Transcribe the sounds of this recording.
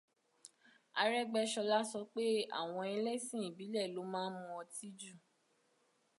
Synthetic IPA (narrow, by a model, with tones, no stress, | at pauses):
a˧ɾɛ˦ɡ͡bɛ˧ʃɔ˧la˦sɔ˧k͡pe˦a̰˦˨w̃ɔ̃˧ɛ˧lɛ˦sĩ˦˨i˨bi˨˦lɛ˦˨lo˨˦mãː˦mũ˧ɔ˧ti˦d͡ʒu˦˨